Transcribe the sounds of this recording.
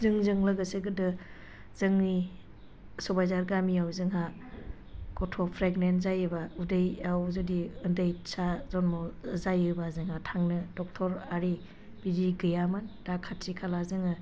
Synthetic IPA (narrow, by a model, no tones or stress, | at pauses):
zɯŋzɯŋlɯɡɯseɡɯdɯ | z̥ɯŋni | sɔbajzaɾɡamiawzɯŋɦa | kɔtʰɔpʰɾeɡnenzajɯbaudɯjawzɯdiɯndɯjsazɔnmɔzajɯbazɯŋɦatʰaŋnɯdɔk̚tʰɔɾaɾi | biɾiɡɯjamɯndakʰatʰɾikʰalazɯŋɯ